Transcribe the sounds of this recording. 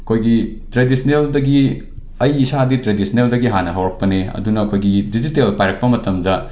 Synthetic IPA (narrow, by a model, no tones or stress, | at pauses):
ɐkʰojɡi | tɾedisʰɐneldɐɡi | ɐjːsaditɾedisʰɐneldɐɡiɦanɐɦɐwɾɐk̚pɐneɐ̰dunɐːkʰojɡidid͡ʒitelpajɾɐk̚pɐmɐtɐmdɐ